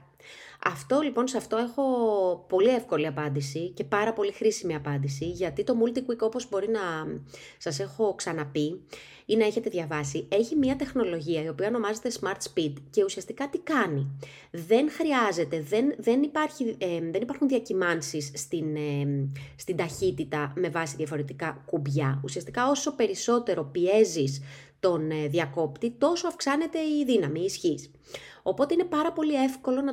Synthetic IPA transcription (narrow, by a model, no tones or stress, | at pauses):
ɐft̪o̞lipo̞nseɐft̪o̞e̞xo̞po̞lie̞fko̞liɐpɐnd̪isice̞pɐɾɐpo̞lixɾisimiɐpɐnd̪isiʝɐt̪it̪o̞mult̪ikwiko̞po̞zbo̞ɾinɐ | sɐse̞xo̞ksɐnɐpi | inɐe̞çe̞t̪e̞ðʝɐvɐsie̞çimiɐt̪e̞xno̞lo̞ʝiɐio̞piɐono̞mɐzet̪e̞smɐɾt̪spid̪ce̞usiɐst̪ikɐt̪ikɐni | ðe̞nxɾiɐze̞t̪e̞ðenðenipɐɾçiðe̞nipɐɾxunðiɐcimɐnsisːt̪in | st̪ind̪ɐçit̪it̪ɐme̞vɐsiðjɐfo̞ɾe̞t̪ikɐkubʝɐusiɐst̪i̥kɐo̞so̞pe̞ɾiso̞t̪e̞ɾo̞pie̞zist̪o̞nðiɐko̞pt̪it̪o̞so̞ɐfksɐne̞t̪e̞iðinɐmiːsçis | o̞po̞t̪einepɐɾɐpo̞lie̞fko̞lo̞nɐ